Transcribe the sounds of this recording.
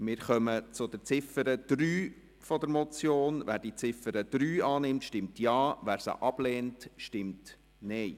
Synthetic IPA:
mɪːɾχœmət͡sʊd̪əɾt͡sɪfəɾəd̪̥ɾyː | fɔd̪əɾmɔt͡sjoːnvæ̰ːɾdit͡sɪfəɾəd̥̪ɾyːɑːnɪmtʃtɪmtjɑːʋæːɾsə̰ʔɑb̥lɛːntʃtɪmt | nɛɪ

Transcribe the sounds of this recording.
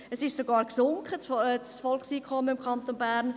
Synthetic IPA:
əsɪʃsoɡɑːɾksʊŋkχət͡sfɔlχsiːkʰɔmːəɪmkʰɑnt̪onbæːɾn

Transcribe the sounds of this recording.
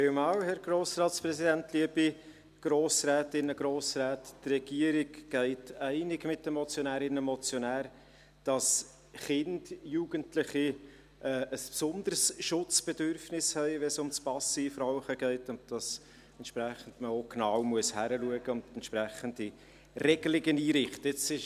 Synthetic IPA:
feːlmɑwhɛɾɡ̥roːsrɑːtt͡spɾɛsidæntliəbi | ɡ̥ɾoːsrɛːtɪnːəɡ̥ɾoːsrɛːttrɛɡ̥iəɾɪɡɡ̥ɛɪtɛɪnɪɡmɪt̚d̥əmɔt͡sjɔnæːɾɪnːəmɔt͡sjɔnæːɾ | d̥ɑs | χɪnd̥juːɡ̥əntlɪχi | ʔɛːʔəspsʊnd̪əɾsʃʊt͡sb̥ɛdøɾfnɪshɛɪʋɛnsʊmt͡spɑsifraʊχəɡɛɪtʊnt̚d̥ɑs | ɛntʃpɾɛχən̩dməoknɑwmuəshæɾəluəɡəʊntɛntʃprɛχənd̥i | rɛɡəlɪɡəniːɾɪχtəɪt͡sɪʃ

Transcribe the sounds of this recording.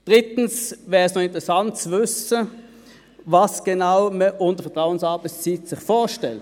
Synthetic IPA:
d̥ʁɪtn̩svɛːʁəsnoɪntʁɛsant̚t͡svʏsə | vɑsɡ̥enaʊməʔʊntəfɛɐtʁaʊənsɑɐbət͡siːtsɪχfoːʃtɛlt

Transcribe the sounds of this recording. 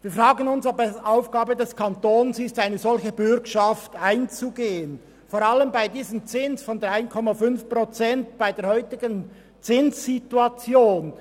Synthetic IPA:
viːɐfʁaːɡənʊnsobɛʔaʊfɡ̥aːbədɛskʰɑntoːnsɪstaɪnəzɔlçəbʏɾkʃaftaɪnt͡suɡeːən | foːɾaləmbaɪdiːzənt͡sɪnsfɔndʁaɪnkʰɔmafʏnfpʁot͡sɛntb̥aɪdeːɐhɔʏtɪɡən | t͡sɪnsːituat͡sjoːn

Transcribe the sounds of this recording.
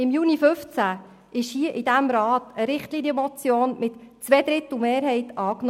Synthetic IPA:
ɪmjuːnifʏft͡sæ | ʔɪʃhiəʔɪdæmɾɑːtəɾɪχtliːnjəmɔt͡sjoːnmɪtːt͡sʋɛd̥̪ɾɪtəl̩meːɾɦɛɪtɑːknɔ

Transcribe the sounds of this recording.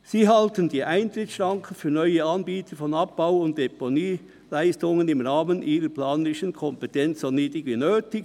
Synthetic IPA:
siːɦɑltəndiːʔaɪntɾɪt͡ssʃʁɑŋkʰən̩fyːɐnɔʏəɑnbiːtʰəfɔnɑp̚b̥aʊʊnt̚d̥eponiː | læɪstʊŋənɪmʁaːmənʔiːɾəplaːnɪʃənkʰɔmpɛtɛnt͡ssoniːdɪɡinøːtɪɡ

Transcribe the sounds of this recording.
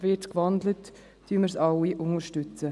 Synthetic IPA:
vɪtkvɑnd̪lət | tyːməɾsɑwiʔʊŋəɾʃtʏt͡sə

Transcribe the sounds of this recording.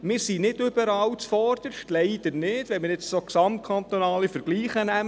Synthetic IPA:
mɪːɾsinɪdʏb̥əɾɑːwt͡sfɔrd̪̥əʃtlɛɪd̥̪ənɪd̥ʋɛnmɪːɾɪt͡ssoksɑmt̚kʰɑnt̪onɑːlifəɾɡ̥liːχənæm

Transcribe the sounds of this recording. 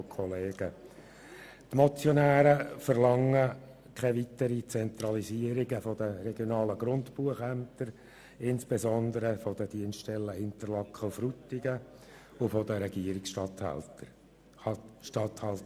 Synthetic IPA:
kʰɔleːɡə | t̪mɔt͡sjɔnæːɾəfəɾlɑŋːə | kʰɛʋit̪əɾit͡sɛnt̪ɾɑliziəɾiɡəfɔd̥̪əɾɛɡjɔnɑːləɡɾʊnt̪puəχæmt̪əɾ | ɪnsb̥ezɔnd̪əɾəfɔd̪əd̥̪iənsttɛlːəɪnt̪əɾlɑkχəfɾut̪ːɪɡə | ʊfɔd̪əɾɛɡ̥iəɾiksʃtɑt̪hæ̰ltə | ʃtɑt̪hɑlt

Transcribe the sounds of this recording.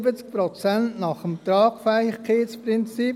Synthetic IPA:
bət͡sk̚pɾot͡sɛntnɑχəmt̪ɾɑːkfaχkʰeːsprɪnt͡si

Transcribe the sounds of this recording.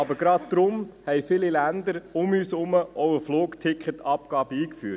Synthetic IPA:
ɑbəɾɡɾɑt̚d̥̪ɾʊmhɛɪfɪlilænd̪əɾʊmyːsʊməʔɔʊəfloːktʰɪkχətɑpɡ̥ɑːb̥əiːkfyːt

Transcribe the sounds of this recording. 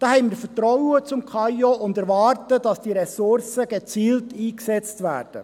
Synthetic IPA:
d̥ɑːhɛɪnmiːɾfətɾɔwət͡sʊmkʰɑjɔʔʊndɛɾʋɑːrtəd̥ɑsd̥iɾɛsʊɾsəɡ̥et͡siːltiːksɛt͡stvæ̰ːrd̥ə̰

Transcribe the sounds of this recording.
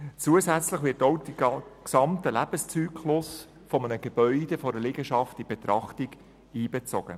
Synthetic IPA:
t͡suəsæt͡sləχʋɪrtoʊd̥iksɑmtəlæb̥əst͡syːkʰlʊs | fɔmənəɡ̥eb̥œʏd̥efɔɾəlɪɡəʃɑftib̥et̪ɾɑχtiɡ | iːbet͡sɔɡ̥ə̰

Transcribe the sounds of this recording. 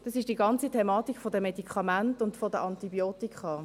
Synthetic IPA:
d̥ɑsɪʃd̥iːɡɑnt͡sitʰɛmɑːtikfɔdəmedikʰχɑmantʊntfɔdəʔɑntibjoːtikχɑ

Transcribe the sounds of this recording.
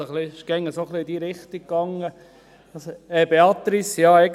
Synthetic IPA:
əχliɪʃɡ̥ɛŋːəsoχliɪd̥iːɾɪχt̪ik̚kːɑŋə | ɑsɛbeɑt̪ɾisjɑːɛɪɡ

